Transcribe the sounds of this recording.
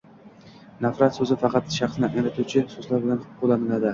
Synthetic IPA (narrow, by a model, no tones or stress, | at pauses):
nafɾat̪sɵzɪfɑqʰɑt̪ʃɑχsɪnɪʔajɾat̪ʰut͡ʃʰɪsɵzlaɾbɪlanχʊolˠːanɪlad̪ɪ